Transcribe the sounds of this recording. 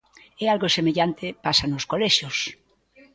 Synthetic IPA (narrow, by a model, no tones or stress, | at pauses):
ɛalɣosemeʎant̪epasanoskoleʃjos